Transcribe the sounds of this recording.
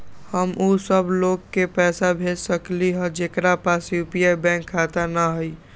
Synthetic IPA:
həmʔusəbloɡkepɛːsabʱed͡ʒsəkliɦə̃d͡ʒekɾapasjupiebɛ̃kʰːat̪anaɦəj

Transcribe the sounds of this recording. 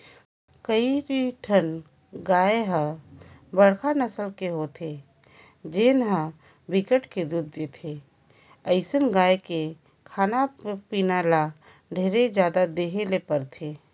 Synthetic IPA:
kəibiʈʰən | ɡaːeɦə | bəɽkʰanəsəlkeɦot̪ʰe | d͡ʒenɦə̃ | bɪkəʈked̪uːd̪̚ːeːt̪ʰe | əɪsənɡaːjeke | kʰaːnapiːnaːla | ɖʱeːɾed͡ʒjaːd̪ad̪eːɦelepəɾt̪ʰeː

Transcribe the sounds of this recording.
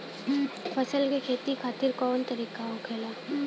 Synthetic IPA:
fɐsəlkekʰeːt̪ikʰaːt̪ɪɾkɔːnt̪ɐɾiːkaʊ̃kʰeːlaː

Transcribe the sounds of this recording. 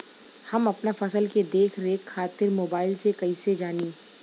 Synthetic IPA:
hɐmɐpnafɐsəlked̪eːkʰɾekʰaːt̪ɪɾmoːbaːɪlsekɐised͡ʒaːniː

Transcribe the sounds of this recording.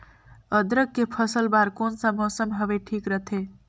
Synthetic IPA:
əd̪ɾəkːepʰəsəlbaɾkonsəmosəmɦəʋeʈʰiːkɾət̪ʰe

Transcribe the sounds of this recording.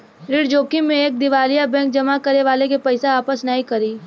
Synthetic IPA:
ɾɪɽd͡ʒoːkimẽeːk̚d̪ɪʋaːlijabɛ̃ːŋk̚d͡ʒɐmakɐɾeʋaːlekepɐɪseaːpəsnəɦĩkɐɾiː

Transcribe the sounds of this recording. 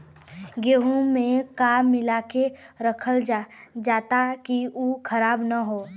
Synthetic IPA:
ɡeɦũmẽkaːmːɪlaːkeɾəkʰəld͡ʒd͡ʒaːt̪akiukʰəɾaːbnaɦoː

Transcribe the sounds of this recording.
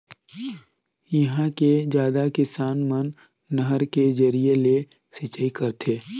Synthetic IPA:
jɐɦãked͡ʒjaːd̪akɪsaːnmənː | əɦəɾked͡ʒəɾiele | sɪt͡ʃaikɐɾt̪ʰeː

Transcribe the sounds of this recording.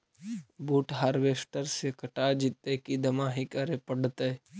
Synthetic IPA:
buːʈɦaːɾʋeːsʈəɾsekəʈad͡ʒit̪ekid̪əmaːɦikaɾepəɽt̪e

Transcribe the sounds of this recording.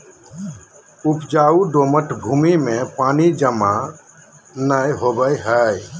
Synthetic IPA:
upd͡ʒauɖoməʈbʱuːmimẽpaːnid͡ʒəma | nəjɦobəjɦəj

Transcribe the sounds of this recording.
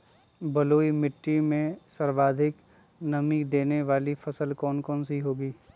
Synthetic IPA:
bɐloːimɪʈːimẽsɐɾʋaːd̪ʱɪk | nɐmikd̪eːneʋaːlifɐsəlkɔːnkɔːnsiɦoːɡiː

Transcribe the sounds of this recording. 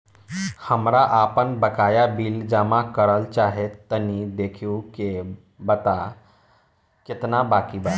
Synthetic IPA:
həmɾaʔapənbəkajabiːld͡ʑamakəɾəlt͡ɕaɦet̪ːənid̪ekʰiwke | bət̪a | ket̪nabakiba

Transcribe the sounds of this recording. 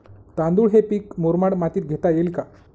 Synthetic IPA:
t̪and̪uːɭɦepiːkmoɾmaɽmat̪iːt̪̚ɡʱet̪ajelka

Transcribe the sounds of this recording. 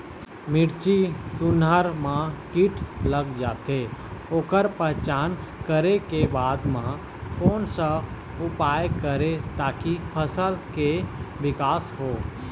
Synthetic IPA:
mɪɽt͡ʃit̪ʊnɦəɾmãkiʈʰləɡd͡ʒaːt̪eoːkəɾpəɦt͡ʃaːnkəɾekebaːd̪mã | koːnsə | ʊpaːjkəɾet̪aːkipʰəsəlkeʋɪkaːsɦoː

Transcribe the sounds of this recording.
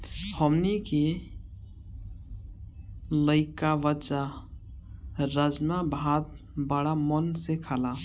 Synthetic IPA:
həmnike | ləɪkaʋət͡ʃa | ɾəd͡ʒmabʱad̪̚ | bəɽamənsekʰala

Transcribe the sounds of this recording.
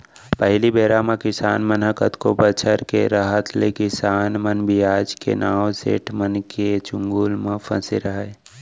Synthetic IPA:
pəɦlibeːɾamãkɪsaːnmənɦəkət̪kobət͡ʃʰəɾkḛɾaɦət̪lekɪsaːnmənbʱiaːd͡ʒkḛnaːwsḛːʈʰmənket͡ʃʊ̃ŋɡulmə̃pʰə̰̃sḛɾəɦe

